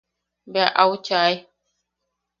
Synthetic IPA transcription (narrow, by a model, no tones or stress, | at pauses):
baʔawt͡ʃaj